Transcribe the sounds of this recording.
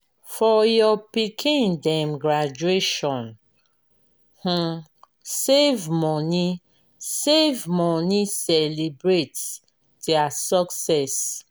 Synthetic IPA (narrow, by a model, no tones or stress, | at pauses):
fɔjɔpikʰĩndɛ̃mɡɹad͡ʒueʃɔ̃n | h̩ | sevmɔni | sevmɔnisɛlibɹet | dɛasɔksɛs